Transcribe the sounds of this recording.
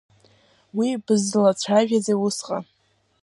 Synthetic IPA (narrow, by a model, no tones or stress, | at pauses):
wibɨzɨlat͡ɕʷʰaʒᶣazejusqʼa̰